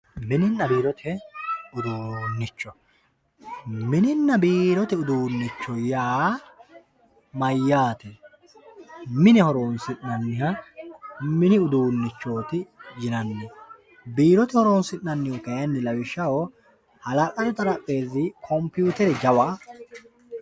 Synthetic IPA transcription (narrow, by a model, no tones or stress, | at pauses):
mɪnɪnːɐbiːɾɔt̪ʰɛʊd̪uːnːɪt͡ʃːɔ | mɪnɪnːɐbiːɾɔt̪ɛʊd̪uːnːɪt͡ʃːɔjaː | mɐjːaːt̪ɛ | mɪnɛhɔɾoːnsɪnːɐnːɪhɐ | mɪnɪʊd̪uːnːɪt͡ʃːo̞ːt̪ɪd͡ʒɪnɐnːɛ | biːɾɔt̪ɛhɔɾoːnsɪnːɐnːɪjɔkɐjɐnːɪlɐwɪʃːɐwo | hɐlɐkʼɐd̪ɛt̪ʼɐɾɐpʼːe̞ːzɪkʰɔmpjuːt̪ɛɾɛd͡ʒɐwa